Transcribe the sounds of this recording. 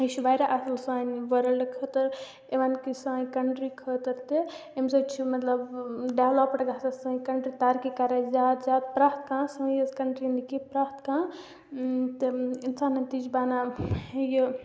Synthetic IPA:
ət͡ʃʰiʋajɾaʔɐsɐlsaːnʋəɾəlkʰət̪əɾ | eʋankisãːjkɐɳʈɾikʰət̪əɾt̪eemsɐt͡ʃʰimɐt̪lɐbɖalɔpɐʈɡat̪ɐsɐ̃ːkɐɳʈɾit̪aːɾkikaːɾazaːt̪zaːt̪̚pɾaːht̪kãːsə̃jɐskɐɳʈɾind̪ikipɾaːt̪kãː | t̪ɨinsaːnɐt̪id͡ʒbaːnajə

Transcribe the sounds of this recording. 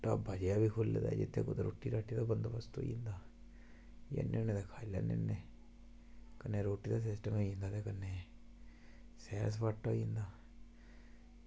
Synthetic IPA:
ʈa̰ːbaːd͡ʒjaːbiːkʰʊlːd̪a̰ɛd͡ʒɪ̰t̪ʰːḛːkoːt̪ːɾoːʈiːɾaːʈiːd̪aːbənd̪ʋəst̪o̰ːḭ̃nd̪aː | jḛneoneːd̪aːkʰaːilɛ̰ːnḛnːeː | kəneːɾoːʈːiːd̪aːs̬ɪsʈəmoːĩːnd̪aːt̪eːkənːeː | sɛːs̬paːʈːaĩːnd̪aː

